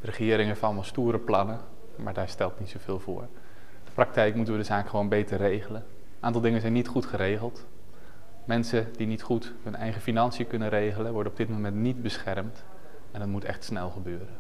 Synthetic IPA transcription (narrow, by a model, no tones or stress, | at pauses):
dərəχɪːɾɪŋəfɑlˠmɑlˠstuːɾəplɑnə | ma̰ːɹdaːɹstɛlˠtnitsowv̥ɪːlˠvʊ̰ːɹ | d̥əprɑk̚tɛjkmutənʋədəzaːkχəʋownbejtəɹrejχələn | nʔaːntɑlˠdɪŋənzɛjnːitχutχəɾejχəlˠt | mɛnsədinitχut | ɦɵnɛjχəfinɑnsijəkɵnəɾejχələnʋɔɹdənɔbdɪt̚momɛntnit̚bəsχɛɹmt | ɛndɑtmutɛ̰χtsnɛlˠχəbøːɾən